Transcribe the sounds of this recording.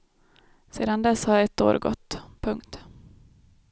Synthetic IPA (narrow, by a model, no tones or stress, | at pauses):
seːd̪and̪ɛshaɾjaɛt̪ːo̰ːɾɡɔ̰t̪ːpʰɵŋkt̪